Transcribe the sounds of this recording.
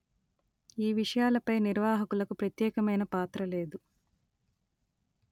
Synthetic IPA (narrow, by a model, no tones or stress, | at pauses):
iːʋiʂɐjaːlɐpɐjniɾʋaːɦɐkulɐkupɾɐt̪jɛːkɐmɐjnɐpaːt̪ɾɐle̞ːd̪u